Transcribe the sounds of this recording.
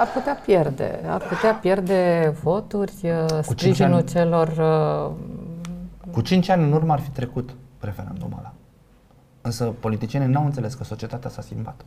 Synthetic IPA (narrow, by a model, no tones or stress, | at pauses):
arput̪eapje̞rd̪e̞̰a̰rput̪eapje̞rd̪e̞vo̞t̪urʲskut͡ʃɾiʒinult͡ʃe̞lo̞rə | kut͡ʃint͡ʃanʲɨnurməarfit̪ɾe̞kut̪ɾe̞feɾa̰nd̪o̰ma̰la | ɨnsəpo̞lit̪it͡ʃienʲinawɨnt̪seleskəso̞t͡ʃie̞t̪at̪easaskʲimbat̪